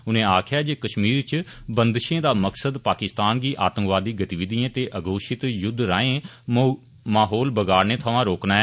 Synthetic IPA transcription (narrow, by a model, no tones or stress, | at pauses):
ʊnẽːaːkʰjaːd͡ʒeːkəʃmiːɾt͡ʃ | bənd̪ʃẽːd̪aːməksəd̪paːkɪst̪aːnɡiːʔaːt̪ə̃ŋkʋaːd̪iːɡət̪iːʋɪd̪ijãːt̪eːʔəɡoːʃɪt̪jʊd̪ʱɾaːẽː | maːɦoːlbəɡaːɾneːt̪ʰəʋãːɾoːknaːɛ